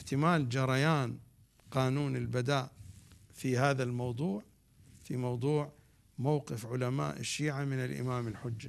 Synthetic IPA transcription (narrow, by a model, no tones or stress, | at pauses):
ɪħt̪ɪmaːld͡ʒɑɾˤɑjaːn | qɑːnuːnɪlbad̪aːʔfihaːðalmɑwd̪ˤuːʕ | fimɑwd̪ˤuːʕ | mawqɪfʕʊlama̰ːʔɪ̰ʃːiːʕamɪnɪlʔɪ̰maːmɪlħʊd͡ʒːa